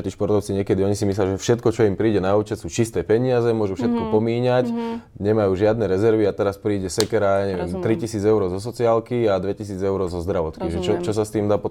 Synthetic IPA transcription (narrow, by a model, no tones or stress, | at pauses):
t̪iːʃpɔɾt̪ɔʊt͡siɲɪɛkɛd̪iɔɲisimisljaʒɛfʃɛt̪kɔt͡ʃɔimpɾiːɟɛnauːt͡ʃɛsuːt͡ʃist̪ɛːpɛɲiazɛmʊɔʒufʃɛt̪̚kɔpɔmiːɲac | ɲɛmajuːʒɪad̪nɛɾɛzɛɾʋiat̪ɛɾaspɾiːɟɛsɛkɛɾaɲɛʋɛmt̪ɾicisiːd͡zɛʊɾɔːzɔs̬ɔt͡siaːlkiad̪ʋɛcisiːd͡zɛʊɾɔzɔzd̪ɾaʋɔt̪kiʒɛt͡ʃɔt͡ʃɔs̬ast̪iːmd̪aːpɔ